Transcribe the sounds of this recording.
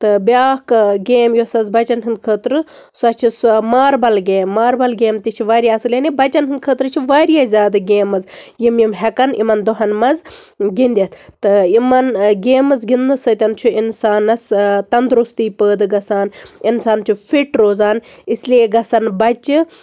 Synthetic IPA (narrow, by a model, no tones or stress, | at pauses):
t̪ɨbʲjaːhkɡeːmjosɐzbɐt͡ʃɐnɦɨnd̪̚kʰəːt̪ɾɨ | sɐt͡ʃʰismaːɾbɐlɡeːmːaːɾbɐlɡeːmt̪it͡ʃʰiʋaːɾijaːsɨlenibɐt͡ʃɐnɦɨnd̪̚kʰəːt̪ɾɨt͡ʃʰiʋaːɾijazʲaːd̪ɨɡeːmɐzjimjimɦɛkɐnḭmɐnd̪oɦɐnmɐzɡind̪ʲɐt̪ʰt̪ɨimɐnɡeːmɐzɡind̪ɨsɐt̪ʲɐnt͡ʃʰuinsaːnɐst̪ɐnd̪ɾust̪iːpəːd̪ɨɡɐsaːninsaːnt͡ʃʰufʰiʈɾoːzaːn | islieɡɐsɐnbɐt͡ʃi